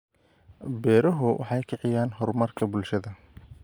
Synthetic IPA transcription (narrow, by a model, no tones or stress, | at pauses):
bɛːɾɐɦʊwʔɑ̰ħɑjkʰɪʕɪjaːnɦɔrmɐrkʰɐbʊlʃɐðɐ